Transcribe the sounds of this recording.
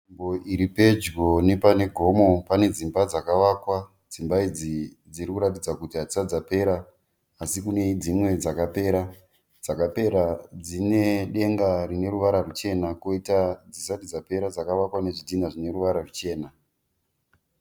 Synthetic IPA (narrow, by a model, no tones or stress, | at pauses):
imboiɾipe̞d͡ʒɡo̞ne̞pane̞ɡʱo̞mo̞pane̞d͡zimbad͡zakaʋakwa | d͡zimbaid͡zi | d͡ziɾikuɾatid͡zakutiɦad͡zisad͡zape̞ɾaː | sikuned͡zimwe̞d͡zakapeɾa | d͡zakape̞ɾad͡zine̞ɗe̞ŋɡarine̞ɾuʋaɾarut͡ʃe̞nakoitad͡zisatid͡zape̞ɾad͡zakaʋakwane̞ʐitinaʐine̞ruʋaɾarut͡ʃe̞ːna